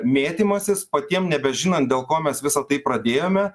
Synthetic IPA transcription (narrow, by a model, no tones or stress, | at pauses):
mʲeːt̪ʲimɐsʲɪspɐt̪ʲiɛmnʲɛbʲɛʒʲɪnɐnt̪̚d̪ʲeːlˠkoːmʲɛsʋʲɪsɐt̪ɐɪpɾɐd̪ʲeːjoːmʲɛ